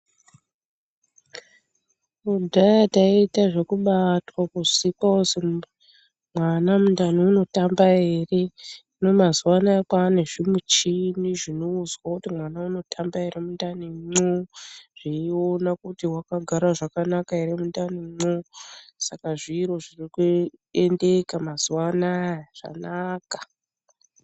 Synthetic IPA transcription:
udʱajataitaʐe̞kuɓatwakuʐisipaose | mwanamundaniuno̞tambae̞ːre̞ino̞mazuwanaakwaːneʐimut͡ʃiniʐino̞uzwakutimwanauno̞tʰambae̞ɾemundaniŋ͡ǀoʐ̥iio̞nakutiwakaɡʱaɾaʐakanakaeɾemundaniŋ͡ǀosakaʐiɾo̞ʐirikue̞nde̞kamaz̥uwanajʐ̥a̰naːka

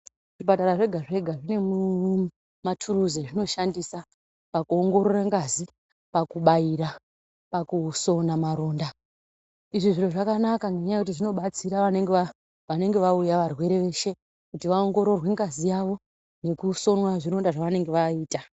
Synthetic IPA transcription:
ʐipataɾaʐe̞ɡʱaʐe̞ɡʱaʐine̞mu | matʰuɾuzeʐino̞ʃandisa | pakuo̞ŋɡo̞ɾo̞raŋɡazi | pakuɓajiɾa | pakuso̞namaɾo̞ːnda | iʐiʐinoʐakanakaŋɡe̞ɲajekut̬iʐino̞ɓat͡siɾaʋane̞ŋɡe | ʋane̞ŋɡe̞ʋaujaʋarwe̞ɾe̞ʋe̞ʃe̞ | kutiʋaoŋɡo̞ɾo̞rwe̞ŋɡazijaʋo̞ | ne̞kuso̞nwaʐiɾo̞ndaʐaʋane̞ŋɡe̞ʋaiːta

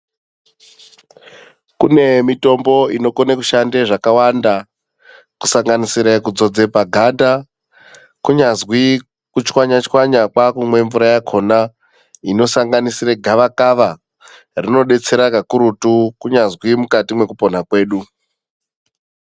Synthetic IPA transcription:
kune̞mito̞mbo̞ino̞konekuʃande̞ʐakawanda | ku̥saŋɡanisiɾakud͡zo̞d͡ze̞paɡʱanda | kuɲazwi | kut͡ʃkwaɲat͡ʃkwaɲakwakumwe̞ɱvuɾajakʰo̞na | ino̞saŋɡanisiɾeɡʱaʋakaʋa | rino̞ɗe̞t͡se̞ɾakakuɾutukuɲazwimukatimwe̞kupo̞n̤akwe̞ːɗu

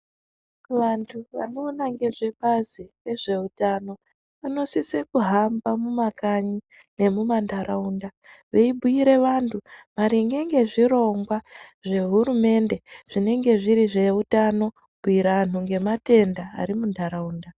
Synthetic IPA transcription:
ʋantʰuʋa̰no̞ːnaŋɡe̞ʐe̞ɓazire̞ʐe̞utano̞ | ʋano̞sisekuɦambamumakaɲi | ne̞mumandʱaɾaundaʋe̞ibʱuiɾe̞ʋantʰumaɾiŋɡe̞ŋɡe̞ʐiro̞ŋɡwaʐe̞ɦuɾume̞nde̞ʐ̥ine̞ŋɡe̞ʐiɾiʐe̞utano̞ | bʱuiɾanuŋɡe̞mate̞ndaa̰ɾimundʱaɾauːnda

